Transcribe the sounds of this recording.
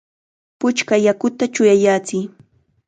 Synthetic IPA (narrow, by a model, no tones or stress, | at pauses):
pʊt͡ʃkajakʊt̪at͡ʃʊjajaːt͡sɪː